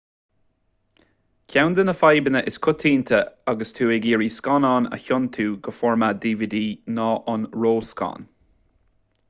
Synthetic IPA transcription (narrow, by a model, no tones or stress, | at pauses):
kʰawnd̪ənəfajbənəʔɪskʰʊt̪ʰiːnt̪ʰəaɡəst̪ʰuːɛɡiːɹiːskɔnɑnə̰çɔnt̪ʰuːɡəfɔɹmad̪iːvid̪iːnɔːʔɔnɹoːskɑ̰n